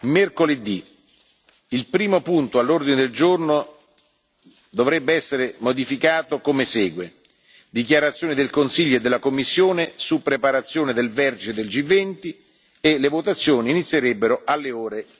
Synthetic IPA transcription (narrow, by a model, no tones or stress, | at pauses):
merkoled̪ːi | ilpɾiːmopunt̪oalːord̪ined̪eld͡ʒorno | d̪ovɾɛbːeɛsːeɾemod̪ifikaːt̪okomesɛːɡwe | d̪ikjaɾat̪sːjoːnid̪elkonsiʎːoed̪ːelːakomːisːjoːnesupːɾepaɾat̪sːjoːned̪elvɛrt̪ed̪eld͡ʒivːɛnt̪i | elevot̪at̪sːjoːniːnit̪sːjeɾɛbːeɾoʔalːeoːɾe